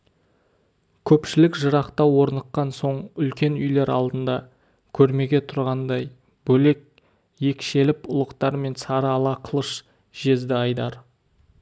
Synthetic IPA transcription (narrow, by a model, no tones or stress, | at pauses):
kʲʰɵpʃɪlɪkʒəɾɑqt̪ɑwo̞ɾnəqːɑnso̞ɴʏlkʲe̞nʏjle̞ɾɑ̰lˠd̪ənd̪ɑ | kʲʰɵɾme̞ɡʲe̞t̪ʰʊɾʁɑnd̪ɑj | b̥ɵle̞k̚ | je̞kʃe̞lɪpʊlˠəqt̪ɑɾme̞nsɑɾəɑlˠɑqʰəlˠəʃ | ʒ̥e̞zd̪ɪɑjd̪ɑɾ